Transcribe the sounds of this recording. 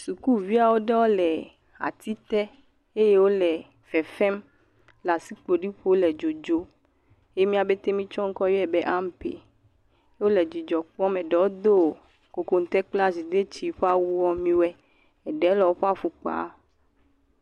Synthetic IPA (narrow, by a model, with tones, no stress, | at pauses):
su˨ku˦vi˦a˨wo˦ɖɛ˦wo˦lɛ˨ | a̰˨t̪i˦t̪ɛ˦ | e˦je˦wo˦lɛ˨ | fɛ˨fɛ˦m | la˨si˦k͡po˨ɖi˦ɸo˦lɛ˨d͡ʒo˨d͡ʒo˦ | e˦mĩ˦a˨be˦t̪e˦mĩ˦t͡ʃɔ˦ŋ̩˦kɔ˦jo˦ɛ˨bɛ˦ʔa˦m˦pḛ˨˦ | wo˦lɛ˨d͡ʑi˨d͡ʒɔ˨k͡pɔ˦mẽ˨ɖɛ˨wo˦d̪o˦˨ | ko˨ko˨n˨t̪ɛ˦k͡pla˦zi˨d̪e˦t͡ɕi˦ɸa˦wu˦wɔ˦mĩ˦wɛ˦ | ɛ˨ɖɛ˨˦lɔ˨wo˦ɸa˦ɸu˨k͡pa̰˦